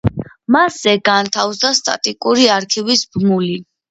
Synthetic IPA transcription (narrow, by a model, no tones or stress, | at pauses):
masɛɡant̪ʰafsd̪ast̪ʼa̰t̪ʼikʼuɾiaɾkʰivisbmuli